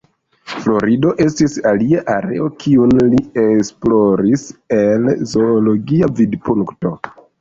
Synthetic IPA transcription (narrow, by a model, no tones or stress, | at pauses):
flo̞ɾido̞ʔe̞stisaliaʔaɾe̞̰o̞kʰiunlie̞splo̞ɾise̞lzo̞ːlo̞ɡiavidpuŋkto̞